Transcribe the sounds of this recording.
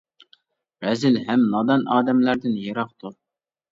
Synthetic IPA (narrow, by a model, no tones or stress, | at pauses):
ɾɛzɪlɦɛmnɑd̪ɑnɑːd̪ɛmlæɾd̪ɪnjeɾɑqt̪ʰu